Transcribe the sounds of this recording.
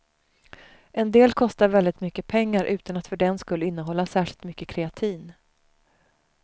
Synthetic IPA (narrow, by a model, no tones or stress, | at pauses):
ʔɛnd̪eːlkʰɔst̪aɾvɛld̪ɪt̪mʏkːəpʰɛŋːaɾʔʉ̟ːt̪anat̪fœɖɛnskɵlːəɪnːəɦɔlːasæːʂɪlt̪mʏkːəkʰɾɛat̪ʰiːn